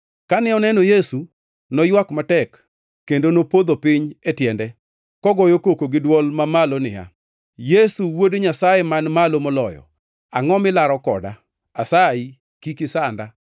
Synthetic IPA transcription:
kanɪɔnɛnojesu | nɔjwakmatɛkː | endonopod̪opɪɲetjɛndɛ | kɔɡɔjokokoɡɪdwɔlmamalonɪ̰ja̰ | jesuwodɲasajemanmalomɔlɔjɔ̰ | aŋɔmɪlaɾɔkɔ̰da̰ | asai | kikɪsanda

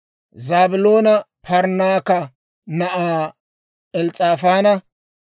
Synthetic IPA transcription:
zaːbʊloːnɐpɐɾnaːkɐ | nɐʔaː | ɛlt͡sʼaːfaːnɐ

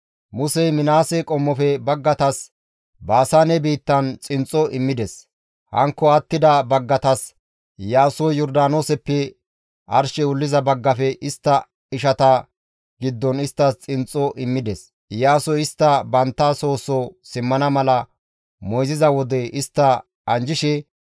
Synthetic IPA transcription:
mʊsɛmɪnaːsɛkʼɔmːɔfɛbɐɡːɐt̪ɐs | baːsaːnɛbiːt̪ːɐnt͡sʼɪnt͡sʼɔʔɪmːɪd̪ɛs | hɐ̰ŋkːɔɐt̪ːɪd̪ɐbɐɡːɐt̪ɐs | jaːsɔjɔɾd̪aːnoːsɛpːɛ | ʔɐɾʃɛʊlːɪzɐbɐɡːɐfɛʔɪst̪ːɐ | ɪʃɐt̪ɐ | ɡ̥ɪd̪ːɔnɪst̪ːɐst͡sʼɪnt͡sʼːɔʔɪmːɪd̪ɛs | jaːsɔɪst̪ːɐbɐnt̪ːaːso̞ːsɔsɪmːɐnɐmɐlɐ | mɔjzɪzɐwɔd̪ɛʔɪst̪ːɐ | ɐnd͡ʒɪʃɛ

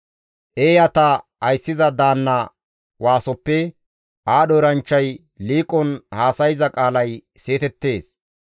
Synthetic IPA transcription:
ʔeːjɐt̪ɐɐjsːɪzɐd̪aːnːɐ | waːsɔpːɛ | ʔaːɗɔɾɐnt͡ʃːɐj | liːkʼɔnhaːsɐjɪzɐkʼaːlɐjse̞ːt̪ɛt̪ːe̞ːs

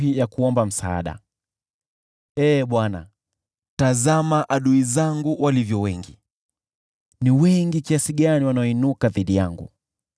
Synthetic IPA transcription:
ijakuɔmbam̩saa̰ɗa̰ | ɛːɓwana̰ | tazamaʔaɗuizaŋɡuwʔalivjɔwɛŋɡi | niwɛŋɡikiasiɠaniwanaɔinukaðiɗijaŋɡṵ

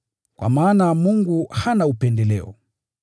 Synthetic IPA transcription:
kwa̰maːnamuŋɡuhanaupɛndɛlɛɔ̰

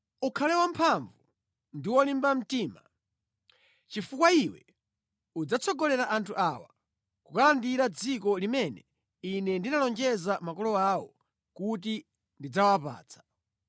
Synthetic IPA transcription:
ukʰalɛwampʰaɱvu | ndiwɔlimbam̩tiːma | t͡ʃifukwaiwɛ | ud͡zat͡sʰɔɡɔlɛɾaʔantʰuʔawa | kukalandiɾad͡zikɔlimɛnɛ | inɛndinalɔnd͡ʒɛzamakɔlɔaːwɔ | kut̬i | ndid͡zawapa̰ːt͡sʰḁ

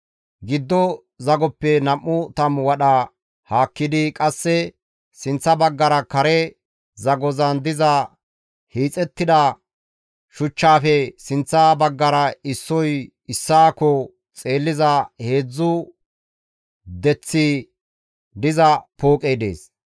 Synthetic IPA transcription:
ɡɪd̪ːɔ | zɐɡɔpːɛnɐmːʊt̪ɐmwɐɗɐ | haːkːɪd̪ɪkʼɐsːɛ | sɪnt͡sːɐbɐɡːɐɾɐkɐɾɛ | zɐɡɔzɐnd̪ɪzɐ | hiːt͡sʼɛt̪ːɪd̪ɐ | ʃʊt͡ʃːaːfɛsɪnt͡sːɐbɐɡːɐɾɐɪsːɔj | ɪsːaːkɔ | t͡sʼe̞ːlːɪzɐhe̞ːd͡zːʊ | d̪ɛt͡sːi | d̪ɪzɐpoːkʼejd̪e̞̰ːs

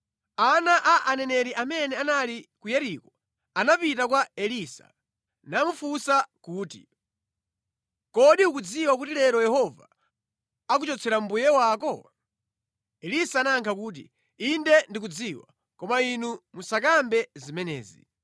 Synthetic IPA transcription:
anaʔaʔanɛnɛɾiʔamɛnɛanalikujɛɾikɔ | anapitakwaɛlisa̰ | namufusakuːtḭ | kɔɗiuk̬ud͡ziwak̬utilɛɾɔjɛhɔva̰ | ak̬ut͡ʃɔt͡sʰɛɾambujɛwakɔ | ɛlisaːnaŋkʰakuːt̬ḭ | indɛndik̬ud͡ziwa̰ | kɔmainumusak̬ambɛzimɛnɛ̰ːzḭ

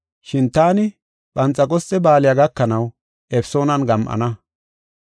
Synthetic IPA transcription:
ʃɪnt̪aːnɪ | ɓɐnt͡sʼːɐkʼɔst͡sʼːɛbaːlɪjaɡɐkːɐnɐw | ʔɛpso̞ːnɐnɡɐmʔɐ̰nɐ

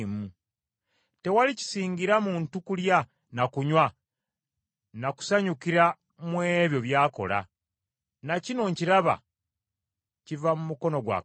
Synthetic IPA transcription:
mu | te̞walici̥siːŋɡiɾamuːntukulja | nakuɲwa | naku̥saɲukiɾa | mweβjo̞βjaːko̞̰la̰ | nacino̞ɲciɾaβa̰ | civamumuko̞no̞ɡwa̰ː

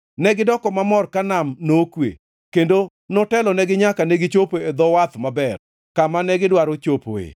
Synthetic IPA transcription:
nɛɡɪdɔkɔmamɔrkanamnokwḛ | kendo | nɔtɛlɔnɛɡɪɲakanɛɡɪt͡ʃopoed̪ɔwat̪mabɛr | kamanɛɡɪdwaɾot͡ʃopo̰ḛ

